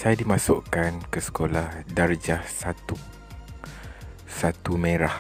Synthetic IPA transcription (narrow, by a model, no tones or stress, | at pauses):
sajadimãsʊʔkankəsə̥kolahdard͡ʒahsat̪u | sat̪umẽɾah